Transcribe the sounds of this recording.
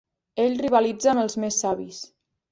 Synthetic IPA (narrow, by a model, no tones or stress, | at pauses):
eʎriβəlid͡zənəlˠzmesːaβis